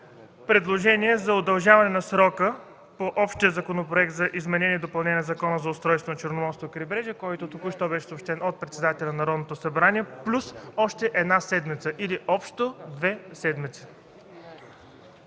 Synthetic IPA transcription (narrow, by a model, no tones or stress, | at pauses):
pɾɛd̪lˠoʒɛnʲiɛzɐod̪ɐlˠʒavɐnɛnɐsɾɔkə | poʔɔpʃt̪ijəzɐkonopɾoɛk̚t̪zɐʔizmɛnɛnʲiɛd̪opɐlˠnɛnʲɛzɐkɔnəzɐʊst̪ɾɔjst̪vonɐt͡ʃoɾnomɔɾst̪vokɾibɾɛʒɛkɔjt̪ot̪okuʃt̪ɔbɛʃɛ̥soːpʃt̪ɛnot̪̚pɾɛt̪sɛd̪at̪ɛlʲnnɐɾɔd̪not̪osɐbɾaniɛplʲusɔʃt̪ɛʔɛd̪nasɛd̪mit̪səʔiliʔɔpʃt̪od̪vɛsɛd̪mit̪sə̥